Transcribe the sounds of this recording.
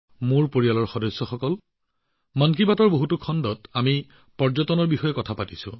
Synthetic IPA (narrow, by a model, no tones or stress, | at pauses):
muɹpoɹialɔɹxɔdɔsːɔxɔkɔl | mankibatɔɹboɦutukʰɔndɔtami | pɔɹzɔtɔnɔɹbixɔjɛkɔtʰapatisʊ̰̃